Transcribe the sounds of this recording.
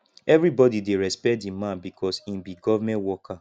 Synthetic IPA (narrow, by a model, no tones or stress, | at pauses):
ɛvɾibɔdideɹɛspɛtĩmãnbikʰɔsĩnbiɡɔvamɛ̃ntwɔka